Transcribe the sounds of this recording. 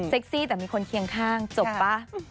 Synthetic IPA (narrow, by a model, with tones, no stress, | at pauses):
se˦˥k̚siː˥˩t̪ɛː˨˩miː˧kʰo˧nkʰi˧əŋkʰaː˥˩ŋt͡ɕo˨˩ppːa˦˥